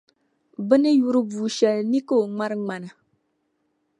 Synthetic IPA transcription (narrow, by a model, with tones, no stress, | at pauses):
bɨ˦nɨ˦ju˦ɾɨ˦buː˨ʃɛ˨lni˦ko˦˨ŋ͡ma˦ɾɨ˦ŋ͡ma˨na˨